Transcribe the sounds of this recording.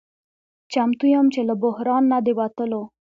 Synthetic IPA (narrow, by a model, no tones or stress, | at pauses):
t͡ʃamt̪ujamt͡ʃeləbʊhɾɑnːad̪ewat̪əlo